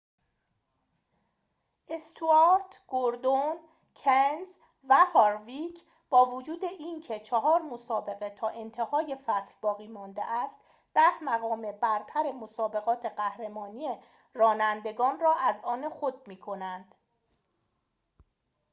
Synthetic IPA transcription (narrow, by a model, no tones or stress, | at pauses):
ʔest̪ʰuɑɾt̪ʰɡ̥oɾd̪on | cʰenz | væhɒːɾvicʰ | b̥ɒːvod͡ʒuːd̪e̞ʔiːncʰe̞t͡ʃʰeɦɒːɾmosɒːbe̞ɣe̞t̪ʰɒːʔe̞nt̪ʰe̞hɒːje̞fæshbɒːɣiːmɒːnd̪ḛʔæst̪ | d̪̥æhmæɣɒːme̞bæɾt̪ʰæɾe̞mosɒːbe̞ɣɒːt̪ʰe̞ɢæhɾe̞mɒːniːje | rɒːnænd̪e̞ɡɒːnrɒːʔæzɒːnexo̞d̪̚miːkʰo̞nænd̪̥